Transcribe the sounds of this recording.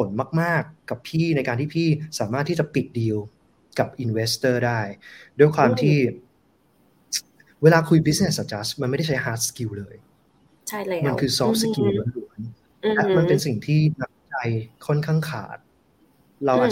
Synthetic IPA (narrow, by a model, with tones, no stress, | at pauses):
pʰo˩˦nmaː˥˩k̚maː˥˩kːa˨˩pʰiː˥˩na˧jkaː˧nt̪ʰiː˥˩pʰiː˥˩saː˩˦maː˦˥˩t̪ʰːiː˥˩t͡ɕa˨˩pi˨˩t̪̚diː˧w | ka˨˩p̚ʔi˧nwe˦˥st̪ɤː˥˩daː˥˩jdu˥˩jkʰwaː˧mt̪ʰiː˥˩ | weː˧laː˧kʰu˧jbi˦˥sne˨˩ssa˨˩t͡ɕaː˦˥sma˧nma˥˩jda˥˩t͡ɕʰa˦˥jhaː˦˥t̪̚skiː˧wlɤː˧j | ma˧nkʰɯː˧sɔː˦˥ski˧wma˨˦nlu˨˩˦ə˦n | ɛ˨˩ma˧pe˧nsi˨˩ŋt̪ʰiː˥˩na˦˥k̚t͡ɕa˧jkʰɔ˥˩nkʰaː˥˩ŋkʰa̰ː˨˩t̪̚ | ɾa˧wʔaː˨˩